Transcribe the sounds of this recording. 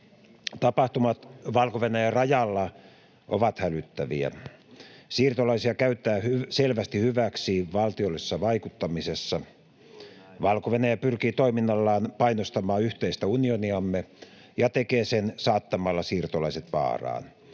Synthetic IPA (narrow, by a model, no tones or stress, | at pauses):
t̪ɑpɑht̪umɑt̪ʋɑlkoʋenæjærɑjɑlːɑ | ʔo̰ʋɑt̪hælyt̪ːæʋḭæ̰ | siːrt̪olɑisiɑkæyt̪ˑæːhyselʋæst̪ihyʋæksiʋɑlt̪iolːisesːɑʋɑikut̪ːɑmisesːɑ | ʋɑlkoʋenæjæpyrkiːt̪oiminːɑlːɑːnpɑinost̪ɑmɑːyht̪eist̪æunioniɑmːe | jɑt̪ekeːsensɑːt̪ːɑmɑlːɑsiːrt̪olɑiset̪ʋɑ̰ːrɑ̰ːn